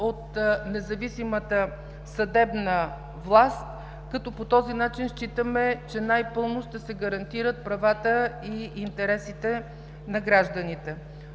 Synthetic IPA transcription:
ot̪nɛzɐvisimət̪ə | sɐd̪ɛbnə | vlˠast̪̚ | kɐt̪ɔpot̪ɔzinat͡ʃinʃt͡ʃit̪əmɛt͡ʃɛnajpɤlˠnoʃt̪ɛsɛɡɐɾɐnt̪iɾət̪̚pɾɐvat̪əiint̪ɛɾɛsit̪ɛ | nɐɡɾaʒd̪ənit̪ɛ

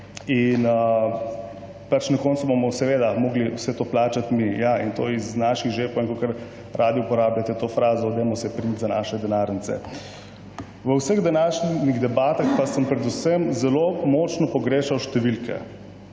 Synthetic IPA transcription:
inə | pat͡ʃnakɔːnsubomɔsɛʋeːd̪amoːɡliwsɛt̪oːplaːt͡ʃat̪mijaḭnt̪o̰iznaːʃiɣʒepoeŋkokəɾ | ɾʔaːd̪iupɔɾaːblʲat̪ɛt̪oːfɾaːzɔd̪ɛmɔsɛpɾint̪zanaːʃɛd̪ɛnaɾnit̪sɛ̰ | ʋəwsəɣd̪ɛnaːʃniɣd̪ɛbaːt̪axpasəmpɾɛd̪usəmzɛlomɔːt͡ʃnɔpɔɡɾeːʃawʃt̪ɛʋilkɛ̰

